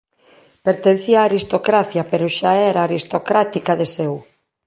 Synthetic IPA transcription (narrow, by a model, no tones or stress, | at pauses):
peɾt̪en̟θiaːɾist̪okɾaθjɐpeɾoʃaɛɾaːɾist̪okɾat̪ikaðesew